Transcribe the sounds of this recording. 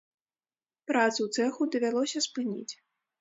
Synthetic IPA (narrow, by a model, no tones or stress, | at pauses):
pɾat̪suwt̪sɛxud̪ɐvʲalˠɔsʲɐspɨnʲḭt͡sʲ